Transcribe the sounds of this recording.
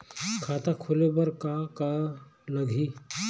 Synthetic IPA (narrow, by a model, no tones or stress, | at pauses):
kʰaːt̪akʰʊlebəɾkakaləɡʱi